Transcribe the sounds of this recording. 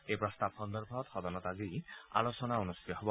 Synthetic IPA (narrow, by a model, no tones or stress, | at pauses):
ejpɾɔst̪abxɔnd̪ɔɾbʱɔɔt̪hɔd̪ɔnɔt̪azia̰losɔnaonust̪it̪ɔɦɔbɔ